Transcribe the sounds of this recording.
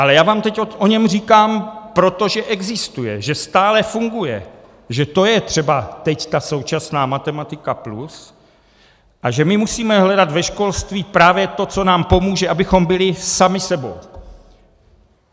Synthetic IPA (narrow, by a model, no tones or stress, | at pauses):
ʔalɛjaːvaːmt̪ɛcoʔoɲɛmr̝iːkaːmpɾo̞t̪o̞ʒɛʔɛɡzɪst̪ujɛ̰ʒɛst̪aːlɛfuŋɡujɛ̰ | ʒɛt̪o̞jɛt̪r̝̥ɛbat̪ɛct̪aso̞wt͡ʃasnaːmat̪ɛmat̪ɪkaplus | ʔaʒɛmɪmusiːmɛɦlɛdat̪vɛʃko̞lst̪viːpɾaːvjɛt̪o̞t͡so̞naːmpo̞muːʒɛʔabɪxo̞mbɪlɪsamɪsɛbo̰w